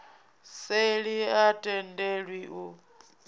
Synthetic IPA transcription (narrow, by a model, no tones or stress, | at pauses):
seɺiatʼɛndʱeɺwiʔu